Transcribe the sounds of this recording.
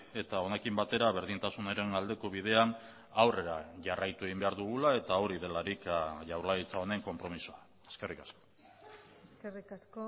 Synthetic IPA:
e̞t̪ao̞ne̞kimbat̪e̞ɾaβe̞ɾðint̪asunoɾe̞nald̪e̞ko̞βið̞e̞an | awre̞ɾaʝarajt̪ue̞ɣimbe̞aɾðuɣulae̞t̪ao̞ɾiðe̞laɾikʝawɾlait͡sao̞ne̞ŋko̞mpɾo̞misoa | e̞ske̞rikasko | eskerikasko

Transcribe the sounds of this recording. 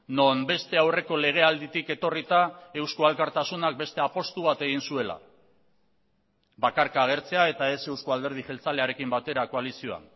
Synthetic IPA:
no̞mbe̞st̪e̞awre̞ko̞le̞ɣ̞e̞ald̪it̪ike̞t̪o̞rit̪ae̞wskualkaɾt̪asunak̚be̞st̪e̞apo̞st̪uβat̪e̞ɣ̞insue̞la̰ | bakaɾkaːɣ̞e̞ɾt͡se̞ae̞t̪ae̞se̞wskoald̪e̞ɾð̞ixe̞lt͡sale̞aɾe̞kimbat̪e̞ɾako̞alisio̞a̰n

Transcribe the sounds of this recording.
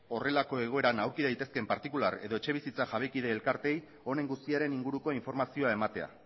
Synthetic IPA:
o̞re̞lako̞e̞ɣ̞o̞e̞ɾanawɾkiðajt̪e̞ske̞mpaɾt̪ikulaɾe̞̰ðo̞et͡ʃe̞β̞isit͡saʝaβ̞e̞jkiðe̞ːlkaɾt̪e̞j | o̞ne̞ŋɡust̪iaɾe̞niŋɡuɾuko̞iɱfo̞ɾmasioae̞mat̪e̞a̰

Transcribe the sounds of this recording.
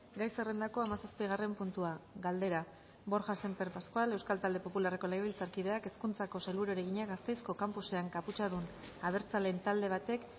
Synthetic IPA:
ɡajsere̞nd̪ako̞amasaspiɣ̞are̞mpunt̪uaɡald̪e̞ɾa | bo̞ɾʝase̞mpeɾpaskoale̞wskalt̪ald̪e̞po̞pulare̞ko̞lejilt͡saɾkið̞e̞ake̞skunt͡sako̞selβuɾoɾeɣiɲaɡast̪e̞jsko̞kampuse̞aŋkaput͡ʃaðun | aβ̞e̞ɾt͡sale̞nt̪ald̪e̞β̞at̪e̞k

